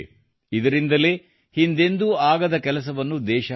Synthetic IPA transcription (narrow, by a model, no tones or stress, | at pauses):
id̪ɐɾind̪ɐle̞ː | hind̪e̞nd̪uaːɡɐd̪ɐkɛlɐs̬ɐʋɐnːud̪ɛːʃɐ